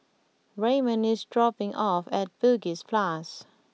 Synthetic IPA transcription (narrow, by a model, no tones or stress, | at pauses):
ɹemə̃nɪsdɹɔpɪ̃ŋʔɔfɛt̚b̥əɡispʰlas